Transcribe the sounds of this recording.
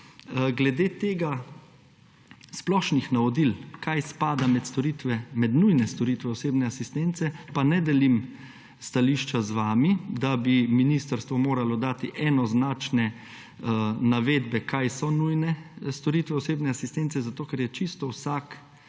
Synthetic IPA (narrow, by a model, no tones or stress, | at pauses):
ɡlɛd̪eːt̪eːɡa | splɔʃnixnaʋɔd̪ilkajspaːd̪amɛt̪st̪ɔɾit̪ʋɛmɛd̪nujnɛst̪ɔɾiːt̪ʋɛɔseːbnɛasist̪ent̪sɛpanɛd̪ɛlim | st̪aliːʃt͡ʃazʋaːmid̪abiminist̪əɾst̪ʋɔmoːɾalɔd̪aːt̪iʔɛnɔznaːt͡ʃnɛ | naʋeːd̪bɛkajsɔnujnɛst̪ɔɾiːt̪ʋɛɔseːbnɛasist̪ɛnt̪sɛzat̪oːkɛɾjɛt͡ʃist̪ɔwsaːk